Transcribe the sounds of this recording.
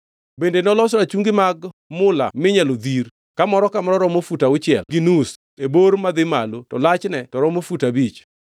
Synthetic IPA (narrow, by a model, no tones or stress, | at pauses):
bendenɔlɔsɾat͡ʃuŋɡɪmaɡmʊla̰mɪɲalod̪iɾ | kamɔɾɔkamaɾɔɾɔmofutaʊt͡ʃɪɛlɡɪnus | eboɾmad̪ɪmalotɔlat͡ʃnɛtɔɾɔmofutabit͡ʃ